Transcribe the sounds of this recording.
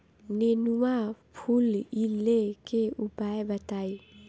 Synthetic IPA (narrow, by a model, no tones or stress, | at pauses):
nenuapʰulilekeubaebat̪aj